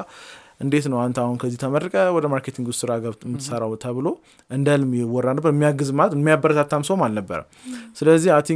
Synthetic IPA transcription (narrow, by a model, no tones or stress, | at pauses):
ʔɨnd̪e̞t̪nəwant̪ahunkʰəzːit̪ʰəmərəkʼəwɔd̪əmaɾkʰet̪ʰiŋɡ̪ust̪ʰɨɾaɡəβmːɨt̪ʰːɨsəɾawt̪ʰəβɨlo̞ | ʔɨnd̪əlmɪwɔrːanəbːəɾmːijaɡːɨzmalət̪mːijabːəɾət̪ʰat̪ʰːamsomalnəbːə̰ɾə̰msɨləzːiat̪ʰi